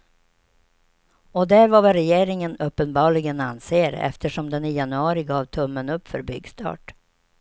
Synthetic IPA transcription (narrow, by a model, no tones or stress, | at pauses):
ɔd̪æɾvavaɾɛjeːɾɪŋənɵpːənbɑːɭɪɡənanseːɾɛ̰ft̪ʰəʂɔmd̪ɛnɪjanɵɑːɾɪɡɑːvt̪ʰɵmːənɵpːfœ̰ɾbʏ̰ɡst̪ʰɑ̰ːʈ